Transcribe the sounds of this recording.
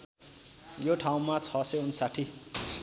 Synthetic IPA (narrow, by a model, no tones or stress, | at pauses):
joʈʰaw̃mat͡sʰʌseunsaʈʰi